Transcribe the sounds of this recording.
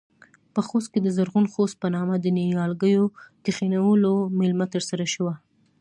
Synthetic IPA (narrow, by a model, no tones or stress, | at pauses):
pəxost̪̚ked̪əzaɾɣunxost̪̚pənɑmad̪ənijɑlɡəjok̪ɪxinawəlomɪlmat̪əɾsaɾaʃəwa